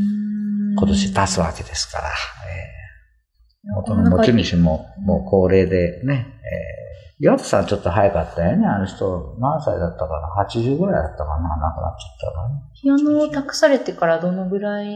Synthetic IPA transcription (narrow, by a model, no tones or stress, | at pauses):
ko̞t̪o̞ɕit̪at͡sɨβa̰ke̞d̪̥e̞sɨ̥ka̰ɾa̰ḛː | ot̪onomot͡ɕimiɕimo̞moːkʰo̞ːɾe̞ːd̪e̞ne̞ḛjaβat̪ḁsã̰t͡ɕo̞t̪ːoɦajakat̪ːajoneanoçi̥t̪o̞nãñsaḭd̪at̪ːakaɾahat͡ɕiʑɨːɡɯ̟ɾaid̪at̪ːakanana̰kɯɾa̰t͡ɕḁt̪ːa̰ɡa̰nhijanoːt̪akɯ̟̥saɾe̞t̪e̞kaɾad̪o̞no̞ɡɯ̟ɾai